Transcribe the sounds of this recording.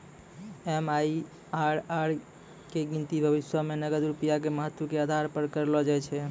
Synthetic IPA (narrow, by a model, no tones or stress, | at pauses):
ɛmai | aɾaɾ | keɡint̪ibʱəβisjəmenəɡəd̪ɾupijak̬eməɦət̪ːəkead̪ʱaɾpəɾkəɾlɔd͡ʒajt͡ʃʰɛ